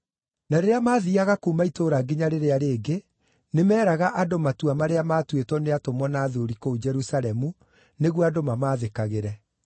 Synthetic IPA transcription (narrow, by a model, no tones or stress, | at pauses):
naɾeɾeamaːðiaɣakuːmaitoːɾaɡiɲaɾeɾeaɾeːɡe | nemɛːɾaɣaʔadomatuamaɾeamaːtwetwɔneatomwɔnaːðoɾikod͡ʒɛɾusalɛmu | neɣwadomamaːðekaɣeɾɛ